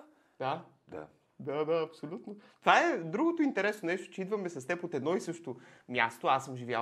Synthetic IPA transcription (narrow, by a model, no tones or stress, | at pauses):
d̪a | d̪a̰ | d̪ad̪aɐpsolʲut̪not̪ovaɛd̪ɾuɡot̪oint̪ɛɾɛsnonɛʃt̪o̥t͡ʃɛid̪vɐmɛsɐst̪ɛpot̪ɛd̪nɔisɤʃt̪omja̰st̪oasɤmʒivʲja̰